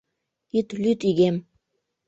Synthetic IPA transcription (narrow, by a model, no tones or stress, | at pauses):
it̪lyt̪iɣem